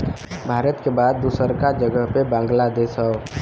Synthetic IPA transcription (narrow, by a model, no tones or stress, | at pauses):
bʱaːɾət̪kebaːd̪̚ːusəɾkad͡ʒəɡəɦpebãːŋɡlad̪eːsɦɛo